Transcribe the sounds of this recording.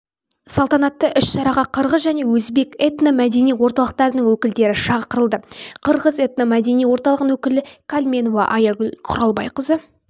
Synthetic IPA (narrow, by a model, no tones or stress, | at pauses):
sɑlˠt̪ɑnɑt̪ːəʔʏʃʃɑɾɑʁɑqʰəɾʁəzʒæne̞wɵzbe̞ket̪namæd̪e̞nijwo̞ɾt̪ɑlˠəq̚t̪ɑɾənəɴwɵkʲɪld̪e̞ɾɪʃɑqəɾəlˠd̪əqʰəɾʁəze̞t̪nomæd̪e̞nijwo̞ɾt̪ɑlˠəʁənwɵkʲɪlɪkʰalʲmʲe̞novɑ̰ʔɑjɑɡqʰʊɾɑlˠbɑ̰jqəzə